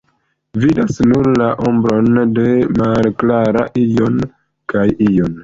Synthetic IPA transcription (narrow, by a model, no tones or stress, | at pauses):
vidasnuɾlaʔombɾo̞nde̞malklaɾa̰ʔijo̞n | kajijon